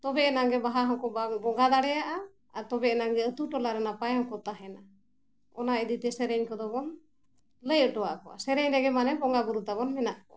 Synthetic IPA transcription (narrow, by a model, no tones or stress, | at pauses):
t̪ɔbɛɛnaŋɡɛbaɦaɦɔŋkɔbabɔŋɡad̪aɽɛjaʔa | at̪ɔbɛʔnaŋɡɛət̪uʈɔlaɾɛnapajɔŋkɔt̪aɦɛna | ɔ̰naid̪it̪ɛsɛɾɛɲkɔd̪ɔbɔn | ləjəʈɔwaʔkɔa̰sɛɾɛɲɾɛɡɛmanɛbɔŋɡaɡuɾut̪aβɔnmɛnaʔkɔ̰